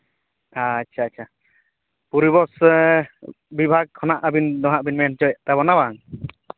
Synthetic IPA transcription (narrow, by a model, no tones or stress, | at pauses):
atːt͡ʃʰaat͡ʃʰa | puɾibɔs | bibʱaɡ̚kʰɔnaʔabind̪ɔɦaʔbinmɛnt͡ʃɔjɛʔt̪aβɔnabaŋ